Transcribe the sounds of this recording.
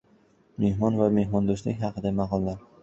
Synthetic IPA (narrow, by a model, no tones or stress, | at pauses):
mehmɒnvame̞hmɒnd̪oslɪ̰kʲɦɑqʰɨd̪amɑqɒlˠːaɾ